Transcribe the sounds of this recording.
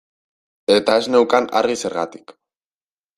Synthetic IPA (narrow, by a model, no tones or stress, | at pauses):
e̞t̪ae̞zne̞wkana̰rɣise̞ɾɣat̪i̥k